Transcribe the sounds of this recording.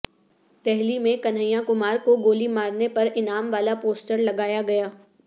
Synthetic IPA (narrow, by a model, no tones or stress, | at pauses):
t̪ɛɦlimẽkɐnɦəjãkʊmaːɾkoɡoːlimaːɾnepɐɾɪnaːmʋaːlapoːsʈəɾlɐɡaːjaɡɐjaː